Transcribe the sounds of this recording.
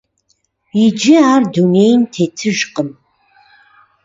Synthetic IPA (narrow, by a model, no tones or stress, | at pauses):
id͡ʒɪardunejntʰetʰɨʒqʼəm